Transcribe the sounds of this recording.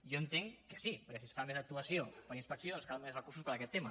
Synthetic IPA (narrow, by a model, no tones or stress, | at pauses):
joənt̪eŋkə̥sipəɾkɛsisfamezək̚t̪uəsijopəɾinspəksioonskalmezrəkurs̬uspəɾəkɛt̪ːemə